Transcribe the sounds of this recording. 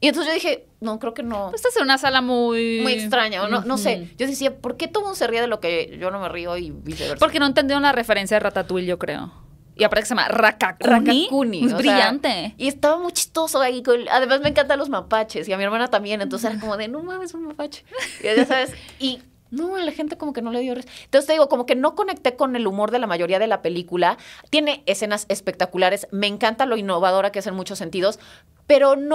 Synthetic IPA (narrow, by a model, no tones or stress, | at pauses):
ienosʝoðixe̞ | no̞kɾeoke̞nopese̥st̪asenunasalamujmujekst̪ɾaɲaonono̞se̞ʝo̞ðesiapo̞ɾke̞t̪oomũnd̪oseriaðelo̞keʝo̞no̞merioiβisḛβeɾpoɾkeno̞enend̪ionlarefeɾensjaðerat̪at̪wilʝokɾe̞̰o̰ | iapaɾt̪ekseam̰rakakranaikunimujosɾiʝant̪eie̞st̪aβamujt͡ʃi̥st̪o̞soaikola̰ðe̞mazmẽŋkant̪alo̞zmapat͡ʃesiamie̞ɾmãnat̪ambje̞nent̪onseeɾakomo̞ðenomãmesunmapat͡ʃe̥ʝasaβe̞si | nolaxe̞nt̪e̞ko̞mo̞ke̞no̞le̞ðjoresnt̪onst̪eðiɣoko̞mo̞ke̞no̞ko̞ne̞k̚t̪e̞ko̞ne̞lumo̞ɾðe̞lamaʝo̞ɾiað̞e̞lape̞likulat̪je̞ne̞ese̞nasespe̞k̚t̪akulaɾe̞sme̞ːŋkant̪alo̞inːo̞βaðo̞ɾakeese̞nmut͡ʃo̞sːe̞nt̪ið̞o̞s | pe̞ɾo̞n